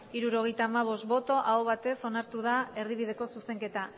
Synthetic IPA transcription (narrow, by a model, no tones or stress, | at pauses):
iɾuɾo̞ɣ̞e̞jt̪aːmaβ̞o̞st̪̚bo̞t̪o̞ʔaoβ̞at̪e̞so̞naɾt̪uð̞ae̞ɾðiβ̞iðe̞ko̞suse̞ŋke̞t̪a